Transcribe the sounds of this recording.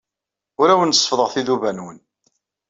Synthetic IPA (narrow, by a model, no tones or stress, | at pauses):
ʊɾæwənsˤːəfðˤəʁθiðuvænwən